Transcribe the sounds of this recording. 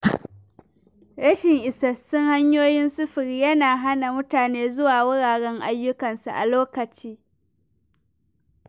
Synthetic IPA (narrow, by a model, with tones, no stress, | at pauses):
ɾɐ˦ʃɪ˨ŋʔɪ˨sɐ˦sʊ˦ŋha˦ɲjoː˦jɪ˦nsʊ˦ɸɪ˨ɾi˦jɐ˦naː˨ɦa˦na˨mʊ˦taː˨neː˦zʊ˦waː˨wʊ˦ɽaː˨ɽɛ˦ŋʔa˦jːʊ˦kɐ˨nsa˨ʔa˨loː˦kɐ˨t͡ʃiː˦